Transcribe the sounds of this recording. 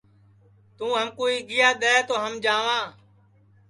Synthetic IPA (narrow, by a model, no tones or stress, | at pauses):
t̪ũːɦəmkoːiːɡɪjaːɗ̪ɛːt̪oːɦəmd͡ʒaːʋãː